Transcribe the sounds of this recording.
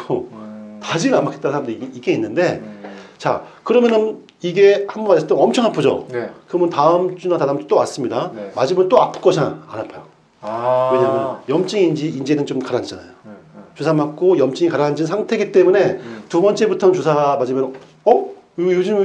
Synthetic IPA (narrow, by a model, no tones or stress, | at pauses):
ɡotad͡ʑiamak͈et͈ansʰaɾamdeiɡiɡe̞inːɯnde̞t͡ɕa̰kɯɾʌmjʌnɯn | iɡe̞hambʌnast͈eʌmt͡ɕʰʌŋɦapʰod͡ʑo̰nkɯʌmɯntaɯmt͡ɕ͈unatadamt͡ɕt͈oas͈ɯmɲidamad͡ʑimɯnt͈oapʰɯ̥k͈ʌɕʰiaa̰napʰajo | we̞ɲamjʌnjʌmt͡ɕ͈iŋiːnd͡ʑiiːnd͡ʑenɯnt͡ɕomkaɾaɲid͡ʑana̰jot͡ɕusʰamak̚k͈ojʌmt͡ɕ͈iŋikaɾand͡ʑinsʰaŋtʰe̞ɡit͈e̞mune̞tubʌnt͡ɕ͈ʰe̞butʰʌt͡ɕusʰamad͡ʑimʌn | ʌjud͡ʑim